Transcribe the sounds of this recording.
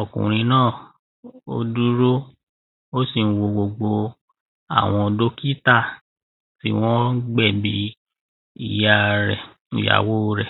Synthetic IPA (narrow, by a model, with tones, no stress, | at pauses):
ɔ˨kṵ̃˨ɾ̃ĩ˧˦nãː˦˨ | o̰˧du˦ɾo˦ | o˦si˦˨n̩˦wo˧ɡ͡bo˨ɡ͡bo˧ | a̰˨w̃ɔ̃˧do˦ki˦ta˦˨ | ti˦w̃ɔ̃˦ɡ͡bɛ˦˨bi˧˦ | ḭ˦˨ja˦˧ɾɛ˨ | ṵ˨ja̰˨wo˦˧ɾɛ˨